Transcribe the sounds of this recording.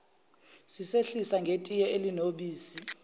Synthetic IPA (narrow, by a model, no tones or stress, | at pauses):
siseɬisaŋɡʱetʼijɛelinoɓiːsi